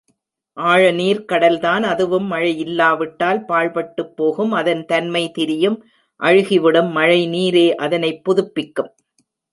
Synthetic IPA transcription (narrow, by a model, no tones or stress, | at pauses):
ʔaːɻɐniːɾkɐɽɐlt̪aːnɐðɯʋɯmːɐɻɐjɪlːaːʋɪʈːaːlpaːɻpɐʈːɯpːoːɣɯmɐðɐnt̪ɐnmɐɪt̪ɪɾɪjɯm | ʔɐɻɯɣɪʋɪɽɯmːɐɻɐɪniːɾeːʔɐðɐnɐɪpːʊðɯpːɪkːɯm